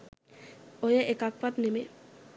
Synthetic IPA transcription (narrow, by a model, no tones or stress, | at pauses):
ojeʔekak̚pat̪neme